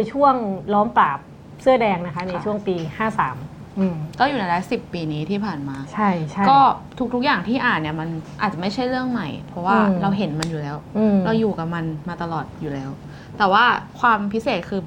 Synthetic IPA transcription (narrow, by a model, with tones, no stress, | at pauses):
jt͡ɕʰu˥˩əŋlɔː˦˥mpaː˨˩p̚ | sɯ˥˩ədɛː˧ŋna˦˥kʰa˦˥n˧jt͡ɕʰu˥˩əŋpiː˧haː˥˩saː˩˦m | ʔɯː˧kɔː˥˩juː˨˩na˧jlaː˦˥si˨˩pːiː˧niː˦˥t̪ʰiː˥˩pʰaː˨˩nmaː˧t͡ɕʰa˥˩jt͡ɕʰkɔː˥˩t̪ʰu˦˥t̪ʰu˦˥k̚jaː˨˩ŋt̪ʰiː˥˩ʔaː˨˩nːi˥˩ɐma˧nʔaː˨˩t̪̚a˨˩ma˥˩jt͡ɕʰa˥˩jɾɯ˥˩əŋma˨˩jpʰɾɔ˦˥waː˥˩ɾa˧wɦe˩˦nma˧njuː˨˩lɛː˦˥wɯ˧ɾa˧wjuː˨˩ka˨˩p̚ma˧nmaː˧t̪a˧lɔː˨˩t̪̚juː˨˩lɛː˦˥w | t̪ɛː˨˩waː˥˩kʰwaː˧mpʰi˦˥seː˨˩t̪̚kʰɯː˧